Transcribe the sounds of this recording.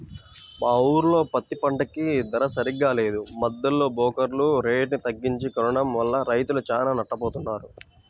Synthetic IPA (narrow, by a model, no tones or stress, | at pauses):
maːuːɾulo̞ːpɐt̪ːipɐɳʈɐkid̪ɐɾɐsɐɾiɡaːle̞ːd̪umɐd̪ːɐlːo̞ːbɔːkɐɾluɾe̞ːʈnit̪ɐɡːiɲt͡ʃikɐɾɐɳɐmʋɐlːɐɾɐjt̪ulut͡ʃaːlaːnɐʈːɐpoːt̪unːaːɾu